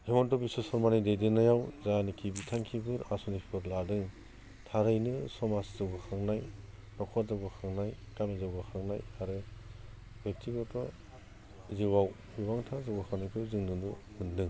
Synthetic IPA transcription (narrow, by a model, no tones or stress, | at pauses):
hemɔntɔbisɔsɔɾmanidejdɯnajawzanikʰibitʰaŋkʰibɯɾasunipʰɯɾladɯŋ | tʰaɾɯjnɯsɔmaszɯwɡɯkʰaŋnaj | nɔkʰɔzawɡɯkʰaŋnaj | kamizawɡɯkʰaŋnajaɾɯ | bek̚tʰiɡɔtɔ | iziwaw | bibaŋtʰazawɡakʰaŋnajkʰizɯŋnɯnumɯndɯŋ